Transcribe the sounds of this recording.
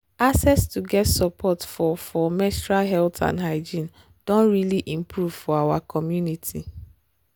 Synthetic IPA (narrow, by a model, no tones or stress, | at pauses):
asɛstuɡɛtsɔpʰɔtfɔfɔmɛstɹaɦɛltʰã̰ndɦaɪd͡ʒĩn | d̥ɔ̃nɹiliʔĩmpɾuv̥fɔawakʰɔmjunitʰi